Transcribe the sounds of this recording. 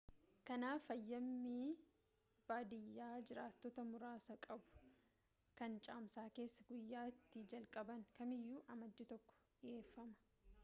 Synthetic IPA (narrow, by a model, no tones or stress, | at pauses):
kɐnaːfɐjːɐmːiː | b̥aːd̪ɪjːaːd͡ʒɪɾaːt̪ːɔt̪ɐmʊɾaːsɐkʼɐbʊ̥ | kɐnt͡ʃʼaːmsaːke̞ːsːɐɡʊjːaːɪt̪ːɪd͡ʒɐlkʼɐbɐŋkɐmɪjːuːʔɐmɐd͡ʒːɪt̪ɔkːɔ̥ᶑɪʔe̞ːfːɐmɐ̥